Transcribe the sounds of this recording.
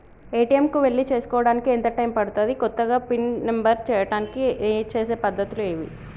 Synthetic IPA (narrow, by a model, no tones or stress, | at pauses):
eːʈijemkuʋe̞ɭːit͡ʃe̞ːsu̥kɔːʋɐɽaːnikient̪ɐʈɐjmpɐɽut̪aːd̪ikɔt̪ːɐɡaːpinmembɐɾt͡ʃɛːjɐʈaːnikit͡ʃe̞ːse̞ːpɐd̪ʱːɐt̪ilueːʋḭ